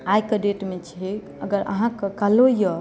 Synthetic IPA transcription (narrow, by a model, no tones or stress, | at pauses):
ajkəɖeʈmet͡ʃʰi | əɡəɾə̰ɦãkəkalojə